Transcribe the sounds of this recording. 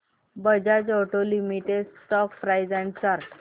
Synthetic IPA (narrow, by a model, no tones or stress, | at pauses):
bəd͡ʑad͡zɔʈolimiʈeɖsʈɔkfɾajd͡zɛ̃ɳt͡ɕaɾʈ